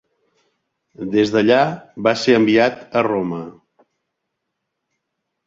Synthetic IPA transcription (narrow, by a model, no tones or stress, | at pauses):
d̪ezðəʎaβaseəmbiat̪əromə